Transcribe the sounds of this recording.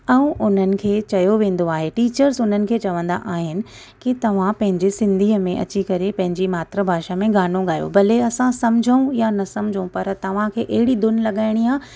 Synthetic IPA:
ɛ̃ũʔʊn̤ənɪ̆kʰeːt͡ɕɐjoʋẽːn̆d̪oaːɦeʈiːt͡ɕəɾzʊn̤ənɪ̆kʰeːt͡ɕɐʋə̃nd̪a̰ʔaːɦɪnɪ̆ | kit̪ɐʋ̤ãpɐ̃ɦɪ̃ɲd͡ʑesɪ̃nd̪ʱiːəmẽʔɐ̰t͡ɕikɐɾepɐ̃ɦɪ̃ɲd͡ʑimaːt̪ɾəbʱaːʃamẽɡaːnõɠaːjo̰bɐleɐsãsɐmd͡ʑʱəũjanɐsɐmd͡ʑʱəũpɐɾt̪ɐʋ̤ãkʰeːʔɐɦɪɽid̪ʊnlɐɠaːɪɽ̃iaː

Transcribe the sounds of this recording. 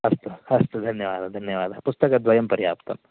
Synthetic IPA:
ɐst̪uhɐst̪ud̪ʱɐnjɐʋaːd̪ad̪ʱɐnjɐʋaːd̪ʱapʊst̪ɐkɐd̪ʋɐjɐmpɐɾijaːpt̪ɐ̰m

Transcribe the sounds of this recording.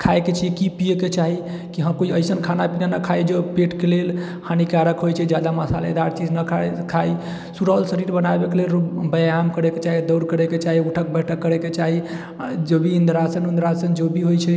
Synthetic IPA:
kʰajket͡ʃʰikipijeket͡ʃaɦi | kiɦəmkoiəjsənkʰanapinanəkʰajd͡ʒopeʈkelel | hʰanikaɾəkɦojt͡ʃʰɛd͡ʒjad̪aməsa̰lḛd̪aɾt͡ʃid͡ʒnəkʰakʰaj | suɾəlsəɾiɾbənabekelelubəjaamkəɾeket͡ʃaɦid̪əwɾkəɾeket͡ʃaɦiuʈʰək̚bɛʈʰəkːəɾeket͡ʃaɦi | d͡ʒobʱiːnd̪ɾasənund̪ɾasənd͡ʒobʱiɦojt͡ʃʰɛ

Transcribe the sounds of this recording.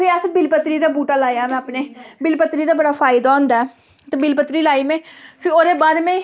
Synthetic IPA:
pʰɪəsbɪlpət̪ɾiːd̪aːbuːʈaːlaːjaːmɛ̃ːəpneːbɪlpət̪ɾiːd̪aːbəɽaːfʰaːɪd̪aːõːnd̪aːɛ | t̪ẽbɪlpət̪ɾiːlaːiːmẽːpʰɪoːɾeːbaːɾeːmẽː

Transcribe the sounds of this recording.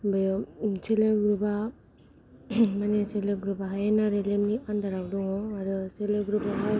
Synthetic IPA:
bɯjseleɡɾuba | maneseleɡɾubaɦajenaɾelemniandaɾabdɔŋɔaɾɯseleɡɾubaɦa

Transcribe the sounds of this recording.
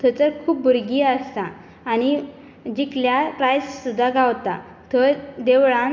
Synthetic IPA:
t̪ʰət͡səɾkʰuːp̚buɾɡiːəst̪aː | ɽ̃i | d͡ʑikljapɾajssud̪ʱːaɡawt̪a | t̪ʰəd̪eʋɭã

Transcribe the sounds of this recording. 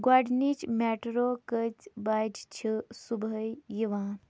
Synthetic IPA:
ɡwaɖnit͡ʃmeʈɾokət͡ʃbajʈt͡ʃʰisubʱəjjiʋã

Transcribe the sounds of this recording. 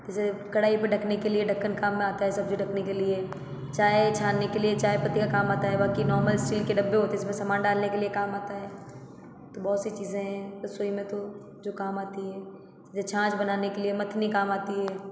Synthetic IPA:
ɛsekɐɽaːipɐɖʱɐkʰnekelieɖʱɐkːənkaːmːẽaːt̪aɦɛsɐbd͡ʒiɖɐkʰnekelie | t͡ʃaːɦet͡ʃʰaːnːekeliet͡ʃaːɦepɐt̪ːikakaːmaːt̪aɦɛbaːkinɔːɾməlɪsʈiːlkeɖɐbːeɦoːt̪eɪsmẽsamaːnɖaːlnekeliekaːmaːt̪aɦɛː | t̪obɔːt̪sit͡ʃiːzẽɦɛ̃t̪osoːimẽt̪o | d͡ʒoːkaːmaːt̪iɦɛː | t͡ʃːzẽt͡ʃʰãːt͡ʃbɐnaːnekeliemɐt̪ʰːnikaːmaːt̪iɦɛː

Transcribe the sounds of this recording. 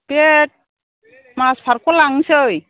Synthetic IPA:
pet̚ | maspʰaɾkɔlaŋsoj

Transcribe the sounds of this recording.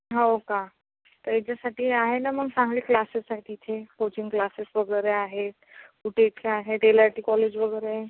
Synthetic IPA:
ɦəwkã | t̪əed͡ʑasaʈiaɦenaməɡsãŋɡleklasesːaʈʰit̪ʰekot͡ʃiŋɡklasesbəɡəjɾeaɦet̪ | uʈeʈʰkʰeaɦet̪elaɾʈikɔled͡ʒbəɡəjɾe

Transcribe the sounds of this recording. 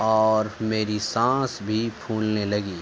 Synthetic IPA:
ɔːɾmeːɾisãːsbʱipʰuːlnelɐɡiː

